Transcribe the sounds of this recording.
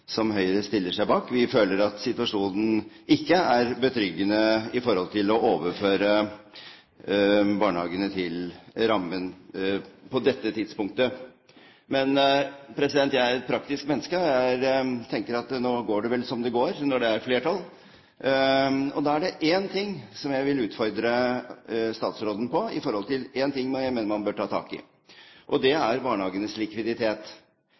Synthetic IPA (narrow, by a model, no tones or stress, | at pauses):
sɔmɦœʏɾəst̪ɪlːəʂæɪbɑːkʋɪføːləɾɑt̪sɪt̪ʉɑʂuːnn̩ | ɪkːəæɾbət̪ʰɾʏɡːənəɪfɔɾhɔlt̪ʰɪlɔʔoːʋəɾføːɾə | bɑːɳəhɑːɡənət̪ʰɪlɾɑmːən | pɔd̪ɛt̪ːət̪ʰɪd̪spʊŋk̚t̪ə | mɛnpʰɾɛsɪd̪ɛnt̪jæɪæɾɛt̪̚pʰɾɑkt̪ɪskmɛnːəskəɔjæɪt̪ʰɛŋkəɾɑt̪noːɡoːɖɛʋɛlsɔmd̪ɛɡoːɾnɔɖɛæɾfleːʈʰɑl | ɔd̪ɑːæɖɛʔeːnt̪ʰɪŋːsɔmjæɪʋɪlʉːt̪fɔɾd̪ɾə | st̪ɑːt̪sɾoːd̪n̩pɔɪ̰fɔɾhɔlt̪ʰɪleːnt̪ɪŋːmjæɪmeːnəɾmɑnbøːʈʰɑːt̪ʰɑ̰ːkɪ̰ | ʔɔd̪ɛæɾbɑːɳəhɑːɡənəslɪkʋɪd̪ɪt̪ʰeːt̪